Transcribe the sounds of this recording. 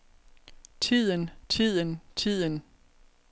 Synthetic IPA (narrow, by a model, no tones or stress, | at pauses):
t͡sʰið̰ˠənt͡sʰið̰ˠənt͡sʰið̰ˠən